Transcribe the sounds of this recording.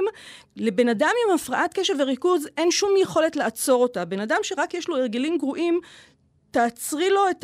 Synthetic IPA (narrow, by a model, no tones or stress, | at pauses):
mle̞be̞nadamimafʁaʔatke̞ʃeʁveʁikuzʔe̞nʃumjeχo̞le̞tleat͡so̞ʁo̞tabe̞nadamʃe̞ʁakjeʃlo̞eʁɡelimɡʁuʔim | taːt͡sʁilo̞et